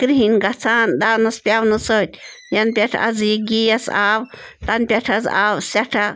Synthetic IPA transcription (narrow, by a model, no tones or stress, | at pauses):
kɾiɦinɡat͡sʰaːnd̪awnaspʲjawnɨsot̪ʲ | janpʲjaʈ͡ʂʰa̰zjiɡijasa̰wt̪anpʲaʈ͡ʂʰazawsaʈ͡ʂʰa